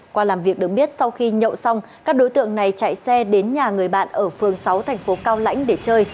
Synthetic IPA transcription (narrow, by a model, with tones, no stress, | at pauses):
kwaː˧laː˨˩mvi˨˩ək̚ɨ˨˩ək̚ɓi˦˥ət̚sa˧wxi˧ɲə̰˧˨wsa˧wŋ͡m | kaː˦˥k̚ɗo˨˦jt̪ɨ̰˧˨əŋna˨˩jt͡ɕa̰˧˨jsɛ˧ɗe˨˦nɲaː˨˩ŋɨ˨˩əjɓa̰ː˧˨nʔəː˧˩fɨ˨˩əŋsa˨˦wt̪ʰɛ˨˩ŋ̟fo˨˦kaː˧wla̰˧˥jŋ̟ɗe˧˩t͡ɕəː˧j